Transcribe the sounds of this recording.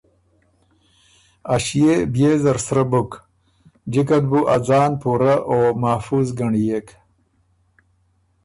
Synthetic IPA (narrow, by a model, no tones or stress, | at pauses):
aɕjebjeːzɐɾsɾɐbuk | d͡ʑikɐd̪buʔad͡zaːnpuɾaʔoːmafuzɡɐɳijek